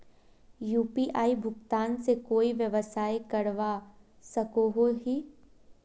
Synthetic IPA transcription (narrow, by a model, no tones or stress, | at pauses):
juːpiːʔaːibʱʊɡt̪aːnsekoːiʋjəʋəsaːjkɐɾʋa | sɐkoɦoɦiː